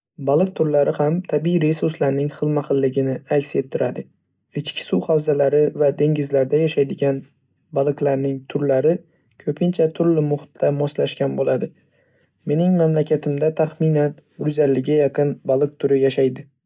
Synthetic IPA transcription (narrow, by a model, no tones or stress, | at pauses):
balˠɨq̚t̪ʰʊɾlaɾɪhamt̪ʰabiɾe̞suɾslaɾnɪŋχɨlˠmaχɨlːɪɡʲɪnɪakʲse̞t̪ʰːɪɾad̪ɪ | ɪt͡ʃkʲʰɪ̥suhawzalaɾɪvad̪e̞ŋɡʲɪzlaɾd̪ajaʃajd̪ɪɡʲan | balˠɨqlaɾnɪŋt̪ʰʊɾlaɾɪ | kʲʰɵpʰɪnt͡ʃʰat̪ʰʊɾlɪmʊhɪt̪ʰːamɒslaʃkʲanbolad̪ɪ | me̞nɪŋmamlakʲʰat̪ʰɪmd̪at̪ʰaχmɪnanɾʊzalːɪɡʲajɑqɨnbalˠɨq̚t̪ʰʊɾɪjaʃajd̪ɪ